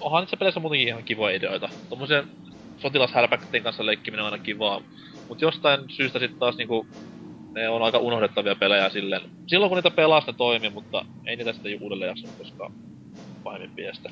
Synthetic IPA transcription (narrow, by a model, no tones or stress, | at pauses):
ohɑniːt̪sepelesːæmut̪eŋkiihɑŋkiʋojɑideoit̪ɑt̪omːosien | sot̪ilɑshærpækːt̪ːˑeːŋkɑnsːɑleikːimineɑˑinɑkiʋɑː | mut̪jost̪ɑinsyːst̪æsit̪t̪ɑːsniːŋku | neonɑikɑʔunohdet̪ːɑʋiɑpelæjææsilːen | silːoŋkuniːt̪æpelɑsnet̪oimimut̪ːɑ̰ | ḛˑiniːt̪æsit̪æjuʔuːdelːḛːjɑksɑnːukkoskɑ̰ | pɑhemːimpiæst̪æ̥